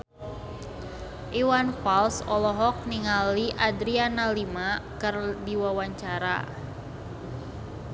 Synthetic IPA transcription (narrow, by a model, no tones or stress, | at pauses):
ʔiwanfalsɔlɔɦɔk̚niŋaliʔadɾianalimakərdiwawaɲt͡ʃaɾa̰